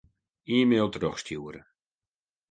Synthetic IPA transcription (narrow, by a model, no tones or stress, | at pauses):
iːmeːlˠtrɔxstjuːəɾə